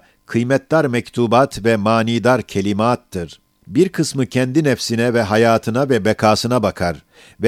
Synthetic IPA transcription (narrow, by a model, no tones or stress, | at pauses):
kʰɯjmɛt̪d̪aɾmɛct̪ʰuːbaːt̪vɛmaːniːd̪aɾcʰe̞lʲimaːt̪ːɯɾ̥ | biɾkʰɯsmɯcʰɛnd̪inɛfsinɛvɛɦajaːt̪ʰɯnavɛbɛkʰaːsɯnabakʰaɾ | vɛ